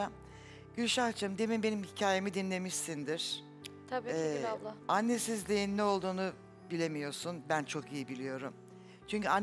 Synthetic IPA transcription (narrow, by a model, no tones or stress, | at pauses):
a | ɟ̥ylʲʃaxt͡ʃʰɯmd̪e̞mimbe̞nimhicʰaːjemid̪inlʲe̞miʃsind̪iɾ̥ | t̪ʰabiɛaanːe̞sizlʲejinːɛo̞lˠd̪uːnu | bilʲe̞mijo̞ɾsunbænt͡ʃʰo̞kijibilʲijo̞ɾum | t͡ʃʰyɲcʰyan